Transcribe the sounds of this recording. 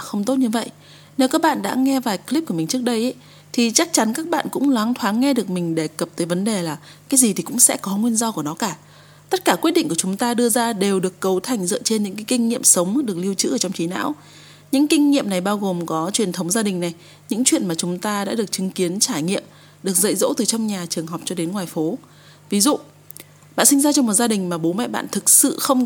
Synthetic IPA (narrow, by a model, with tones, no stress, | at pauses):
xə˧wŋ͡mt̪o˦˥t̚ɲɨ˧və̰˧˨jʔ | ne˨˦wkaː˦˥k̚ɓa̰ː˧˨ɗa̰ː˧˥ŋɛ˧vaː˨˩jkli˦˥p̚ku˧˩əmï˨˩ŋ̟t͡ɕɨ˦˥ək̚ɗə˧jʔ | t̪ʰi˨˩t͡ɕa˦˥k̚t͡ɕa˨˦nkaː˦˥k̚ɓa̰ː˧˨nkʊ̰˧˥ŋ͡mlaː˨˦ŋt̪ʰwaː˨˦ŋŋɛ˧ɗɨ˨˩ək̚mï˨˩ŋ̟ɗe˨˩kə˨˩p̚t̪əː˨˦jvə˨˦nɗe˨˩laː˨˩ | kaː˨˦jzi˨˩t̪ʰi˨˩kʊ̰˧˥ŋ͡msɛ̰˧˥kɔ˨˦ŋwi˧ənzɔ˧ku˧˩ənɔ˨˦kaː˧˩ | t̪ə˦˥t̚kaː˧˩kwi˦˥t̚ɗḭ̈˧ŋku˧˩t͡ɕʊ˨˦ŋ͡mt̪aː˧ɗɨ˧əzaː˧ɗe˨˩wɗɨ˨˩əkːə˨˦wt̪ʰa˨˩jŋ̟zɨ̰˧˨t͡ɕe˧nɲɨ̰˧˥ŋkaː˨˦kï˧ŋ̟ŋḭ˧˨əmsə˨˦wŋ͡mɗɨ˨˩ək̚li˧əwt͡ɕɨ̰˧˥əː˧˩t͡ɕwŋ͡mt͡ɕi˨˦na̰ː˧˥w | ɲɨ̰˧˥ŋkï˧ŋ̟ŋḭ˧˨əmna˨˩jɓaː˧wɣo˨˩mkɔ˨˦t͡ɕwi˨˩ənt̪ʰə˨˦wŋ͡mzaː˧ɗï˨˩ŋ̟na˨˩j | ɲɨ̰˧˥ŋt͡ɕwḭ˧˨ənmaː˨˩t͡ɕʊ˨˦ŋ͡mt̪aː˧ɗa̰ː˧˥ɗɨ˨˩ək̚t͡ɕɨ˨˦ŋki˨˦ənt͡ɕaː˧˩jŋḭ˧˨əm | ɗɨ˨˩ək̚zə̰˧˨jzo̰˧˥t̪ɨ˨˩t͡ɕɔ˧wŋ͡mɲaː˨˩t͡ɕɨ˨˩əŋɦɔ˨˩k͡p̚t͡ɕɔ˧ɗe˨˦nŋwaː˨˩jfo˨˦ | vi˨˦zṵ˧˨ | ɓa̰ː˧˨nsï˧ŋ̟zaː˧t͡ɕɔ˧ŋ͡mmo˨˩t̚zaː˧ɗï˨˩ŋ̟maː˨˩ɓo˨˦mɛ̰˧˨jɓa̰ː˧˨nt̪ʰɨ˨˩k̚sɨ̰˧˨xə˧wŋ͡m